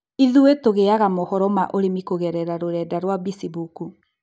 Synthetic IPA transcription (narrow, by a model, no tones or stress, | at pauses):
iðuetoɣeaɣamohɔɾɔmaʔoɾemikoɣɛɾɛɾaɾoɾɛdaɾwabisibuku